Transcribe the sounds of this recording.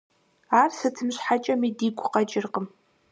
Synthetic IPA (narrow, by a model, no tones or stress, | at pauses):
aːrsɨtʰɨmɕħat͡ʃʼɐmiːdiːɡʷʰʼʊqɐt͡ʃʼɪrqəm